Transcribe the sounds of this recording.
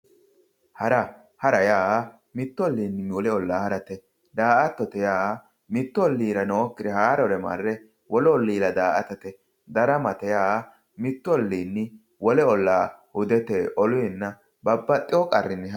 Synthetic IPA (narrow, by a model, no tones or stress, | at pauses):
hɐɾɐ | hɐɾɐjaːa | mɪt̪ːɔlːiːnːɪwɔlɛɔlːaːhɐɾɐt̪ɛ | d̪aːʔɐt̪ːɔt̪ɛjaː | mɪt̪ːɔɔlːiːɾɐnɔɔkːɪd̪ɛhaːɾɔɾɛma̰rːɛ | wɔlɛɔlːiːɾɐd̪aːʔɐt̪ɐt̪ɛ | d̪ɐɾɐmɐt̪ɛjaːa | mɪt̪ːɔlːiːnːɪ | wɔlɛɔlːaːhʊd̪ɛt̪ɛʔɔlʊjɛnːɐ | bɐbːɐt̪ʼːɪwɔkʼɐrːɪnːɪ